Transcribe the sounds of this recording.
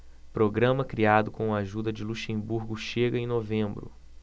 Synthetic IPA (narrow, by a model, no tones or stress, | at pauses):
pɾoɡɾɐ̃mɐkɾiad̪ʊkõaʒud̪ɐd͡ʒɪluʃẽbuɾɡʊʃeɡɐẽj̃novẽmbɾʊ̰